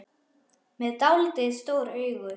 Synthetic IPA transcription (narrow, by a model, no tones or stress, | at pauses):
mɛðt̪awlt̪ɪst̪oːwɾœːɥɣʏ